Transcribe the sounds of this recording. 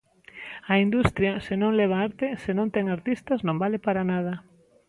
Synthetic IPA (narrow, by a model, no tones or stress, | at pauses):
ɐind̪ust̪ɾjɐsɪnõŋlɛβ̞aaɾt̪esenõnt̪ɛŋaɾt̪ist̪ɐznõmbalɪpaɾanað̞ɐ